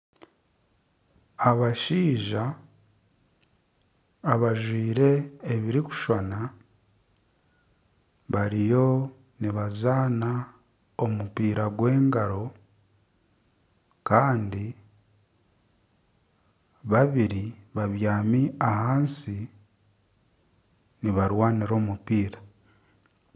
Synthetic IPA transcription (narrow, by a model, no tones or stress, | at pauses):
aβaʃiːʒa | βaʒwiːɾe̞ːβiɾiku̥ʃwana | βaɾijo̞ | niβazaːna | o̞mupiːɾaɡwe̞ːŋɡaɾo̞ | kaːndi | βaβiɾiβaβjaːmiahaːnsi | niβaɾwaːniɾo̞ːmupiːɾa